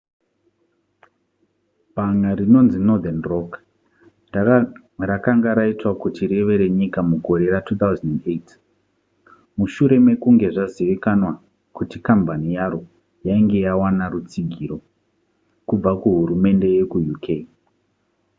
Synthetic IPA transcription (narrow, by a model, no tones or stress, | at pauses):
bʱaŋaɾino̞nzino̞d̪anro̞k | a | rakaŋɡaɾaitwakutire̞ʋe̞ɾe̞ɲikamuɡʱo̞ɾe̞ratʰuːt̪auzanendet | muʃuɾe̞me̞kuŋɡe̞ʐaziʋikanwa | kutikambanijaɾo̞ | jaiŋɡe̞jawanarut͡siɡʱiɾo̞ | kub͡vakuɦuɾume̞nde̞je̞kujukʰe